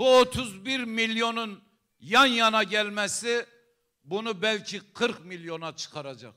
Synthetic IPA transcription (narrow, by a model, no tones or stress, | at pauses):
buot̪ʰuzbiɾmiljonun | jɑnjɑnɑɟʲælmɛsɪ | bunubɛlkʲʰiqʰɨɾqmiljonɑt͡ʃʰɨ̥qʰɑɾɑd͡ʒɑ̰q